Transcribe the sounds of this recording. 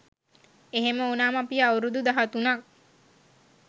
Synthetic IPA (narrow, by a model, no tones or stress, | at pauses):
eɦeməonaːmapiawɾud̪ud̪aɦat̪unak̚